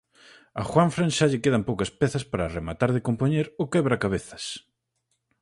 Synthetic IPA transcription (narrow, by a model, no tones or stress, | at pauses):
ɐxwaɱfɾanʃaʎɪkeðɐmpowkɐspɛθɐspaɾaremat̪aɾðɪkompoɲeɾʊkɛβɾɐkaβeθɐ̥s